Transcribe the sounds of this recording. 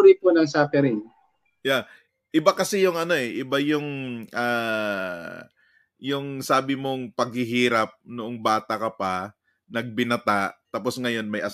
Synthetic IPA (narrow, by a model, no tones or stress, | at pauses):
ɾiponɐŋsaːfɛɾɪŋ | ja | ʔɪbakɐsɛjʊŋʔɐno̞ʔɛʔɪbajʊŋʔaː | jʊŋsaːbɪmo̞ŋpɐɡ̚hɪɦiːɾɐp̚nʊʔoŋbaːt̪ɐkɐpa | nɐɡ̚bɪnɐt̪aʔt̪aːpo̞sŋɐjo̞nmɐjʔɐ